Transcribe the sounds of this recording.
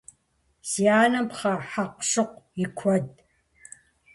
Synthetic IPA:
sijaːnɐmpχɐħaqʂoq̚ʷikʷʰɐd

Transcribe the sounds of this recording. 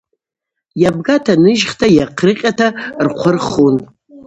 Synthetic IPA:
jab̚ɡatʰanɨʒχtʰajaqʰrɨqʲʼatʰarqʷʰʊrχun

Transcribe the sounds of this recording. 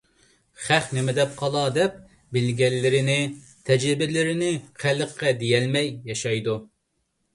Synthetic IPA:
χæχnɪmɪd̪ɛp̚qʰɑlˠɑd̪ɛp̚ | bɪlɡʲɛlːɪɾɪnɪ | t̪ʰɛd͡ʒɾɪbɪlɪɾɪnɪqʰæləqʰːɛd̪ejɛlmɛjːɑʃɑjd̪u

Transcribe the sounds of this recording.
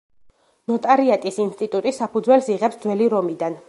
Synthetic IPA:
nɔt̪ʼaɾiat̪ʼisinst̪ʼit̪ʼut̪ʼisapʰud̪zwɛlsiʁɛpsd̪zwɛliɾɔmid̪an

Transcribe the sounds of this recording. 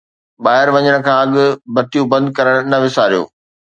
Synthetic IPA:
ɓaːɦɪɾʋɐɲəɽ̃̆kʰãːɐɠʊ̆bɐt̪ijũbɐ̃nd̪̚kɐɾəɽ̃nɐʋɪsaːɾijo̰ː

